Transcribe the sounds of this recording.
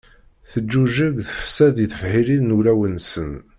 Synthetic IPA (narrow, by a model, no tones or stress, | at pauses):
θəd͡ʒːuʒəɡθə̥fsæðiθəfhililnulæwənsən